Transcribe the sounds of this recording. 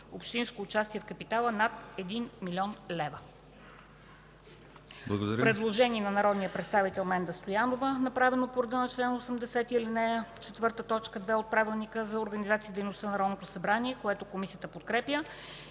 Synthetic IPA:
opʃt̪inskoːt͡ʃast̪iɛfkəpit̪alˠənat̪ɛd̪inmilʲiɔnlɛvə | blˠɐɡod̪ɐɾpɾɛd̪lˠoʒɛniɛnɐnɐɾɔd̪nijəpɾɛt̪st̪avit̪ɛlˠmɛnd̪ɐst̪ojanovənɐpɾavɛnopoɾəd̪ənɐt͡ʃlɛnosəmd̪ɛsɛt̪iilinɛt͡ʃɛt̪vɤɾt̪ət̪ɔt͡ʃkəd̪vɛot̪̚pɾavilˠnikəzɐoɾɡənizat̪sid̪ɛjnost̪ənɐɾɔd̪not̪osɐbɾaniɛkoɛt̪okomisijət̪əpot̪̚kɾɛpjə

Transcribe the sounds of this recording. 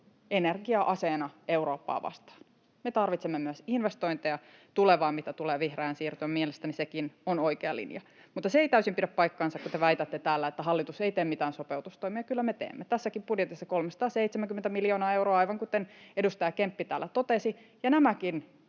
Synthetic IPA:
enerɡiɑʔɑseːnɑeuɾoːpːɑ̰ːʋɑ̰st̪ɑ̥ːn | met̪ɑrʋit̪semːemyøsinʋest̪oint̪ejɑ | t̪uleʋɑːmit̪æt̪uleːʋihreɑnsiːrt̪yæmiɛlest̪ænisekinonoikeɑlḭnjɑ̰ | mut̪ːɑseeit̪æysimpidæppɑikːɑːnsɑkkut̪eʋæit̪æt̪ːet̪æːlːæet̪ːæɦɑlːit̪useit̪eːmit̪æːnsopeut̪ust̪oimiɑjkylːæmet̪ḛːmːet̪æsːækibb̥udjet̪isːɑkolmesɑ̥t̪ɑːseit̪semæŋkymːent̪æmiljoːnɑːe̞uroɑːɑjʋɑŋkut̪enedust̪ɑjɑkempːit̪æːlːæt̪ot̪esijɑnæmækin

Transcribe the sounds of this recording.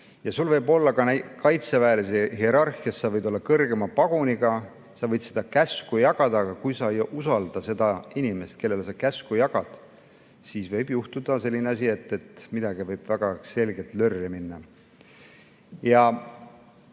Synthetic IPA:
jɑsulvɤjbo̞lːɑkɑnækɑjt̪sevæːlisehieɾɑrxiɑsːɑvɤjd̪̥o̞lːɑkɤrɡe̞mɑpɑɡ̥uniɡ̥ɑ | sɑvɤjd̪̥se̞d̪̥ɑkæskujɑɡ̥ɑd̪̥ɑɡɑkujsɑejʔusɑld̪̥ɑse̞d̪̥ɑinime̞st̪̚ke̞lːe̞lesɑkæskujɑɡ̥ɑd̪̥ | siːsvɤjbjuht̪ud̪̥ɑse̞lʲːineɑs̬ie̞t̪ːˑe̞t̪mid̪̥ɑɡ̥ivɤjb̥væɡ̥ɑse̞lɡe̞lt̪lø̞rːiminːɑ | jɑ

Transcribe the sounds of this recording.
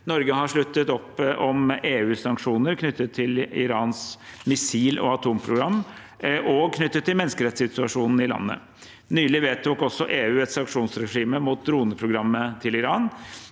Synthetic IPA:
nɔɾɡəɦɑʂɭʉt̪ːət̪ɔpːʔɔmeːʉːsɑŋkʂuːnəɾkʰnʏt̪ːət̪ʰːɪlɪɾɑːnsmɪsiːlɔ̰ɑt̪ʰuːmpʰɾʊɡɾɑmː | ʔɔɡkʰnʏt̪ːət̪ːɪlmɛnːskəɾɛt̪sɪt̪ʉɑʂuːnn̩ɪlɑ̰nːə̰ | nyːlɪʋeːt̪̚d̪ɔkɔsːɔʔeːʉːɛt̪sɑŋkʂuːnsɾɛʂiːməmuːt̪̚d̪ɾuːnəpʰɾʊɡɾɑmːət̪ʰɪlɪɾɑːn

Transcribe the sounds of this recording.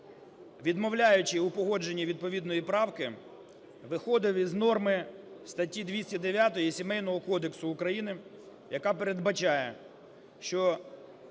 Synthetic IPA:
ʋʲid̪mɔʋlʲajʊt͡ʃɪupɔɦɔd͡ʒe̞nʲːiʋʲid̪̚pɔʋʲid̪nɔjipɾɑwkɪ | ʋɪxɔd̪ɪʋiznɔrmɪst̪ɐtʲːid̪ʋʲisʲtʲɐd̪eʋʲjat̪ɔjisʲimɛjnɔɦɔkɔd̪eksʊːkɾɐjinɪ | jɐkɑpe̞ɾe̞d̪̚bɐt͡ʃɑjɛ | ʃt͡ʃɔ

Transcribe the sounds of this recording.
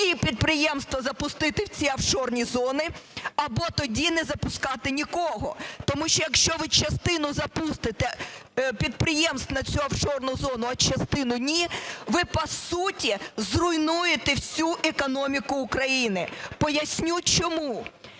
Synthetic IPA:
ipʲid̪̚pɾɪjɛmst̪ʋɔzɐpʊst̪ɪt̪ɪwt͡sʲiɐfʃɔrnʲizɔnɪɐbɔt̪ɔdʲinɛzɐpʊskɑt̪ɪnʲikɔɦɔ̰t̪ɔmuʃt͡ʃɔjɐkʃt͡ʃɔʋɪt͡ʃɐst̪ɪnʊzɐpust̪ɪt̪ɛpʲid̪̚pɾɪjɛmst̪nɐt͡sʲuɐfʃɔrnʊzɔnʊɐt͡ʃɐst̪ɪnʊnʲiʋɪpɐsutʲizrʊjnujet̪ɛwsʲuʔekɔnɔmʲikʊːkɾɐjinɪpɔjɐsʲnʲut͡ʃɔmu

